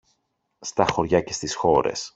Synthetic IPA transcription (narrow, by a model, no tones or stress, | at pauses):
st̪ɐxo̞ɾʝɐce̞st̪isxo̞ɾe̞̰s